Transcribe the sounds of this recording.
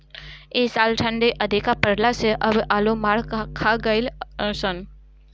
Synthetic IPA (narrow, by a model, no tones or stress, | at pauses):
eːsaːlʈʰə̃ɳɖeʔəd̪ʱɪkapəɾlaseʔəbʔaːlomaːɽkʰaɡəɪlsən